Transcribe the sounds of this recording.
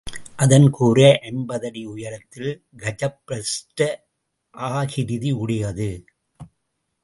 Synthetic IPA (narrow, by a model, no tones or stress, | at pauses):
ʔɐðɐnkʰuːɾɐʔɛnbɐðɐɽiʊjɐɾɐt̪ːɪl | ɡɐd͡ʒɐpːɾɐsʈɐ | ʔaːɣɪɾɪðiʊɽɐjɐðɯ